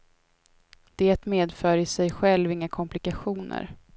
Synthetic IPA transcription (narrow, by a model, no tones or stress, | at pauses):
d̪̥eːt̪meːd̪fœːɾɪsɛjɧɛlvɪŋːakʰɔmplɪkaɧuːnə̰ɾ